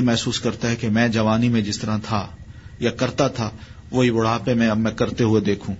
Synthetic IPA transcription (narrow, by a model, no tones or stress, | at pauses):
mɛɦsuːskɐɾt̪aɦɛkemɛ̃ːd͡ʒɐʋaːnimẽd͡ʒɪst̪əɾãt̪ʰajakɐɾt̪at̪ʰa | ʋoːɦibʊɽ̤aːpemɛ̃ɐbmɛ̃kɐɾt̪eɦʊed̪eːkʰũː